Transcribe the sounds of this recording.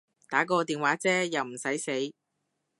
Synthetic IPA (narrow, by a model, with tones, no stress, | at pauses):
t̪aː˨˥kɔː˧t̪iː˨nwaː˨˥t͡sɛː˥jɐ˨wm̩˨˩sɐ˨˥jse˨˥j